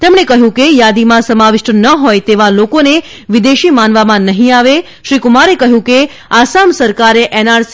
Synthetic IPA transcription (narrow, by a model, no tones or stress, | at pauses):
t̪emɽekəɦjũkejad̪imãsəmaʋɪʃʈənəɦojt̪eʋalokone | ʋid̪eʃimanʋamãnəɦĩaʋe | ʃɾikʊmaɾekəɦjũke | asamsəɾkaɾeʔɛnaɾs